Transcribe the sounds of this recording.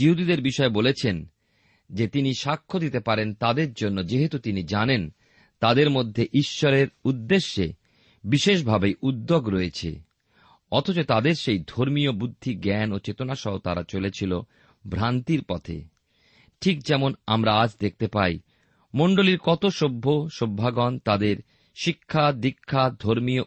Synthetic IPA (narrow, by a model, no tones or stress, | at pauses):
d͡ʑiɦud̪id̪eɾbiʃɔebolet͡ɕʰen | d͡ʑet̪iniʃakʰːod̪it̪epaɾent̪ad̪eɾd͡ʑonːod͡ʑeɦet̪ut̪inid͡ʑanen | t̪ad̪eɾmod̪ʱːeʔiʃːɔɾeɾud̪ːeʃːe | biʃeʃ̬bʱabeʔud̪ːoɡɾɔet͡ɕʰḛ | ɔt̪ʰot͡ɕot̪ad̪eɾʃejd̪ʱoɾmiobud̪ʱːiɡɛnot͡ɕet̪onaʃɔɦot̪a̰ɾat͡ɕolet͡ɕʰilo | bʱɾant̪iɾpɔt̪ʰḛ | ʈʰik̚d͡ʑɛmonamɾaad͡ʑd̪ek̚ʰt̪epaj | moɳɖoliɾkɔt̪oʃobʱːoʃobʱːaɡɔnt̪ad̪eɾ | ʃikʰːad̪ikʰːad̪ʱoɾmio